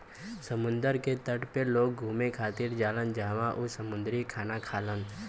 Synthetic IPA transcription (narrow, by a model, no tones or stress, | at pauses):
səmʊ̃nd̪əɾket̪əʈpeloːk̚ɡʱuːmekʰaːt̪iːɾd͡ʒaːlənd͡ʒaːʋãʔusəmʊ̃nd̪ɾikʰaːnakʰaːlən